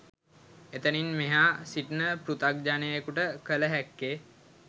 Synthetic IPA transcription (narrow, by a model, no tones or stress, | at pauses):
et̪əninmeɦaːsiʈnəpɾut̪ak̚d͡ʒanejekuʈəkələɦækːe